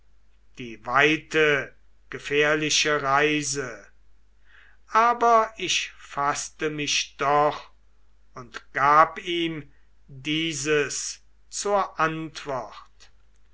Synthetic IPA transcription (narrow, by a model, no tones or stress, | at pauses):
d̥iːvaɪtə | ɡ̥əfɛːɐlɪʃəʁaɪzə | ʔaːbɐɪʃfastəmɪʃd̥ɔχ | ʊntɡ̥aːpiːm | diːzəs | t͡suːɐʔantv̥ɔχt